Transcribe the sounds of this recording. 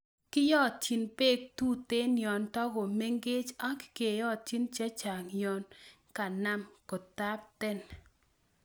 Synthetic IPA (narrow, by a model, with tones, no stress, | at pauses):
kɪ˦jɔ˦t̚t͡ʃi˨npe˦k̚tu˦te˦njɔ˨ntɔ˦ɡo˨me˦ŋɡe˦t͡ʃa˦kke˨jɔ˦t̚t͡ʃi˦nt͡ʃa˦t͡ʃa˨ŋjɔ˨n | ka˨na˦mko˨t̪a˦p̚t̪ɛ˦n